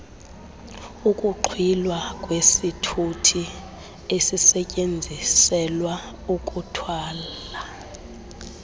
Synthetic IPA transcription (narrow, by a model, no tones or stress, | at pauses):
ukʼuǃʰwilwakʼwesitʰutʰi | esisɛcʼend͡zʱisɛlwa | ukʼutʰwaːla